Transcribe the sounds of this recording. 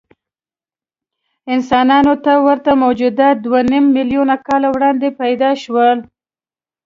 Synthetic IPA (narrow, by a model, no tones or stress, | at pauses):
ɪnsɑnɑnot̪awəɾt̪amod͡ʒʊd̪ad̪wanimːɪlijunakɑlawɽɑnd̪epajd̪ɑʃwəl